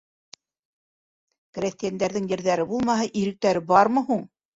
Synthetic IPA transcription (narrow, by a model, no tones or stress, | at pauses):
krʲesʲt̪ijænd̪æɾðɘŋjɘ̆ɾðæɾɘbulˠmɑɦɤʔiɾɘ̆k̚t̪æɾɘbɑɾmɤ̆huɴ